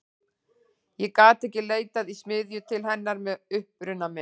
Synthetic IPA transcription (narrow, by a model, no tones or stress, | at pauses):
jɛkaːt̪ɛhcɪleːjt̪aðismɪðjʏt̪ʰɪlɦɛnːaɾmɛðʏhpɾʏnːamɪ